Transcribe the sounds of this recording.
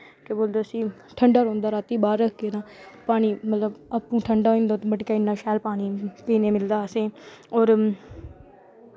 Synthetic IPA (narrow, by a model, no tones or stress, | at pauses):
keboːld̪eːəsĩː | ʈʰəɳɖaːɾõːnd̪aːɾaːt̪iːbaːɾəkʰɡeːɾãːpaːɽ̃iːmət̪ləbaːpːũːʈʰəɳɖaːɦẽːnd̪aːt̪ːbəʈkaːɪnːaːʃaːlpaːɽ̃iːpiːneːmɪld̪aːseːɔːɾ